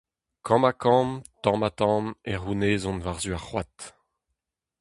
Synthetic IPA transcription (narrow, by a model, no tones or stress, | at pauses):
kʰɑ̃makʰɑ̃ːmt̪ɑ̃ːmat̪ɑ̃ːmɛʁuneːzɔ̃nvaʁzyaχwat̪